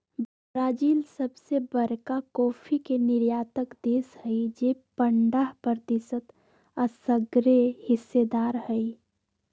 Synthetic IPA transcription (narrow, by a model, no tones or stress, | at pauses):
bəɾaːd͡ʒiːlsəbsebəɾkakɔːpʰikenɪɾjaːt̪əkd̪eːshəid͡ʒepəɳɖaɦpəɾət̪ɪsət̪ | əsəɡɾehɪsːed̪aːɾhəi